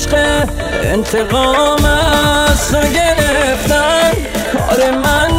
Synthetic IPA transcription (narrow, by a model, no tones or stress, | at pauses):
ʃqe | ḛnt̪ʰeʁɔmasoɡeɾeft̪an | ɒɾeman